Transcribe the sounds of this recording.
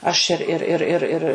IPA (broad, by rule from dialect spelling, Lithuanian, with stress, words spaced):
ɐʃ ɪr ɪr ˈɪr ɪr